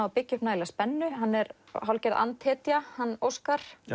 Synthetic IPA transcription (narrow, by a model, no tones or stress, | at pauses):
apɪcːʏhpnaːjlaspɛnːʏɦanːɛɾ | ɦawlcɛɾðʔa̰nt̪hɛːt̪jahanːowskaɾ̥